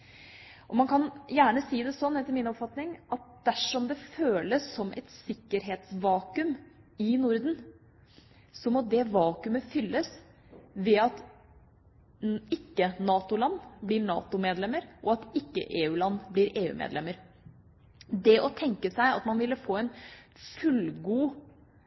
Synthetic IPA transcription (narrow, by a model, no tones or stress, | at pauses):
ʔɔmɑnkʰɑnjæːɳəsiːd̪ɛsɔnːɛt̪ːɪlmɪnɔpfɑt̪nɪŋɑt̪̚d̪̥æʂɔmd̪ɛføːləsːɔmʔɛ̰t̪sɪkːəɾɦeːt̪sʋɑːkʉmɪnʊɾd̪n̩ | sɔmɔd̪ɛʋɑːkʉməfʏlːəs | ʋɛɑt̪ | ɪkːənɑːt̪ʊlɑnːblɪɾɳɑ̰ːt̪ʊmeːd̪lɛmːəɾʔɔɑt̪ɪkːə̰ʔeːʉːlɑnːbliɾʔeːʉ̰ːmʔḛːd̪lɛmːəɾ | d̪ɛʔɔt̪ʰɛŋkəsæɪɑ̰t̪mɑnʋɪlːəfoːɛnfʉlɡuː